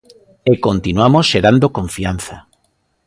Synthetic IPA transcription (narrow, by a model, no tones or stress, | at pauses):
ekont̪inwamosʃeɾand̪okõɱfianθa